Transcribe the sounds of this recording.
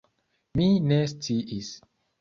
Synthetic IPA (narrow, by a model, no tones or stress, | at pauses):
minest͡siʔis